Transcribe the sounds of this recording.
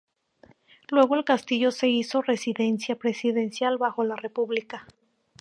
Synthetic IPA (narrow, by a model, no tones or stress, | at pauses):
lwe̞ɣo̞e̞lkast̪iʝo̞se̞iso̞re̞siðe̞nsjapɾe̞siðe̞nsjalβaxo̞lare̞puβlika